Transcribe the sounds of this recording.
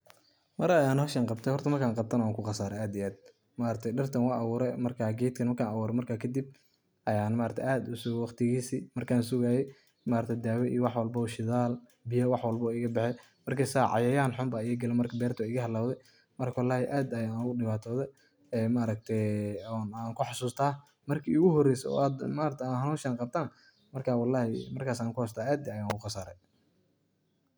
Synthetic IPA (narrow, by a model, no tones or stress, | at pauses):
mɐɾɐjaːnhɔʃɐnqɑbt̪ʰɛjhɔrt̪ʰɐmɐrkʰaːŋqɑb̚t̪ʰɐnɐwaːŋkʰʊqɑsaːɾɛaːd̪iaːd̪̚ | maɾɐk̚t̪ʰɛjɖɐrt̪ʰɐnwɑʔɐwuːɾɛmɐrkʰaːɡɛjt̪kʰɐnmɐrkʰaːnɐwuːɾɛmɐrkʰaːkʰɐd̪ib̚ | ʔɐjaːnmaːɾɐt̪ʰʔaːd̪ʊsʊɣwɑqt̪ʰɪɣiːsimɐrkʰaːnsʊɣaːjɛ | maːɾɐkt̪ʰɛjd̪aːwɛʔiːwɑħwɐlbɐɔːʃɪðaːl | bɪjɐwɑħwɐlbɔɪɣɐbɛħɛj | mɐrkʰɛsaːʕɑ̰jɐjaːnħʊmbaɪɣɐɡɐlɛmɐrkʰɐbɛːrt̪ʰɔɪɣɐɦɐlːaːwðɛj | mɐrkʰwɑlːaːhɪʔaːd̪ɐjanʊɣʊɖɪβaːt̪ʰɔːðɛj | ɛːmɐːɾɐɡ̚t̪ʰɛɔnaːŋkʰʊħɑsuːst̪ʰaː | mɐrkʰḭʊɣʊɦɔrɛjsɔ̰aːd̪maːɾɐk̚t̪ʰaːnɦɐnuːʃɐnqɑb̚t̪ʰanɐ | mɐrkʰaːwɑlːaːhɪ̰mɐrkʰaːsaːŋkʰʊhɔs̬t̪ʰaːaːd̪iɐjaŋkʊqɑsaːɾɛj